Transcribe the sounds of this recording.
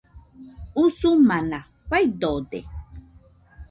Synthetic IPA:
usumana | ɸajd̪odḛ

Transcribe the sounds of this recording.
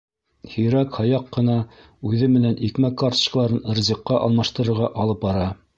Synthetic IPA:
hiɾækhɑjɑqːɤ̆nɑ | ʉðɘmɘ̆nænʔikmækːɑɾt̪ɤ̥̆ʃklˠɑɾɤnɤ̆ɾzʲiqːɑʔɑlˠmɑʃt̪ɤ̆ɾɤ̆ɾʁɑʔɑlˠɤp̚bɑɾɑ

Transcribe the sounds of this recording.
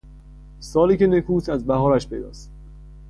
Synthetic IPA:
sɒːliːcʰenekʰuːsæzbæɦɒːɾæʃpʰe̞̰d̪ɒ̰ːst̪

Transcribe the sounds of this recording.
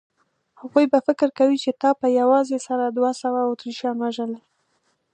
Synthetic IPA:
haɣujbafɪkɪɾkawit͡ʃet̪ɑpəjawɑzesaɾad̪wasawaʊt̪ɾiʃjɑnwaʒəla

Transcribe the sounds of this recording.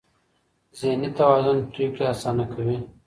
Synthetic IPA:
zenit̪ɐwaːzʊnt̪ʰuːkeasaːnakʰɐwi

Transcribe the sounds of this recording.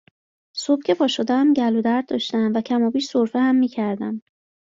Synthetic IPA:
so̞b̥cʰe̞pʰɒːʃod̪ææmɟælod̪æɾd̪d̪ɒ̰ʃt̪æmvæcʰæmɒːbiːʃsoɾfehæmːiːcʰæɾd̪æm

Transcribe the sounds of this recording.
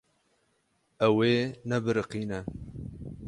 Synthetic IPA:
ɛweːnɛbɨɾɨqiːnɛ

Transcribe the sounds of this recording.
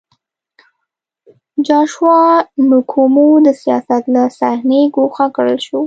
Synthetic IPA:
d͡ʒɑʃwɑnukʰumud̪əsijɑsat̪lasahneɡoxakɽəlʃu

